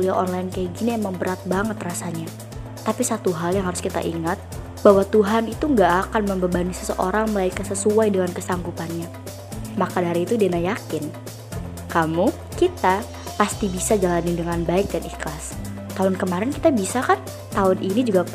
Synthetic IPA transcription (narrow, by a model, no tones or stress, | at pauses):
uliaʔɔnlaɪnkaaɡiniəmaŋbəɾat̪̚baŋət̪rasaɲa | t̪ːapisat̪uɦaljaŋɦaɾʊskit̪a̰ʔḭŋat̪̚ | bawat̪uɦanit̪uŋɡaʔːkanməmbəbanisə̥sə̰ʔoɾaŋməlaikasəsuajdəŋankəsaŋɡupanɲa | makadaɾiːt̪udenajakɪn | kamu | kit̪a | past̪ibisad͡ʒalanindəŋanbaɪk̚daniklas | t̪aʊnkəmaɾɛnkit̪abisakan | t̪aʊnʔinid͡ʒuɡa